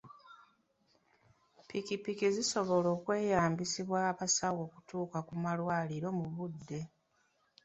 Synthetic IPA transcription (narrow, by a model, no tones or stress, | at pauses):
pikipikiziso̞βo̞lo̞ːkwe̞ːjaːmbisiβwaːβasawo̞ːku̥tuːkakumalwaːliɾo̞muβudːe̞